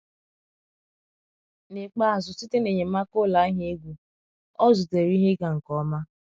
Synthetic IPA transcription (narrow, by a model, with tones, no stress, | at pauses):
ne˨k͡pa˦˨zʊ˨si˦te˦ne˨ɲe˨m̩˦a˦ko˦la˨˦ɦe˦e˦ɡʷu˨ | ɔ˦zʊ˨te˨ɾi˦ɦe˦ɡa˨ŋ̩˨kɔ˨˦ma˦